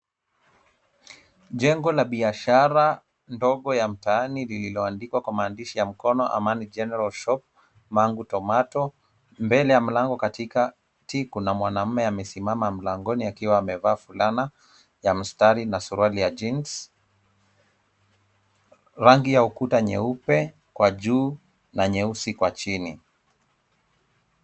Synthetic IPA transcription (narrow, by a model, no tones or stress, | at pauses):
ʄɛŋɡɔlaɓiaʃaɾa | ndɔɠɔjam̩taanilililɔandikwakwamaːndiʃijam̩kɔnɔʔa̰manid͡ʒɛnɛɾalʃɔp̚ | maŋɡutɔmatɔ | mbɛlɛjam̩laŋɡɔkatika | tikunamwanam̩mɛamɛsimamam̩laŋɡɔniakiwaːmɛvaːfulana | jam̩staɾinasuɾualijad͡ʒins | ɾaŋɡijaukutaɲɛ̰upɛ | kwaʄuː | naɲɛusikwat͡ʃini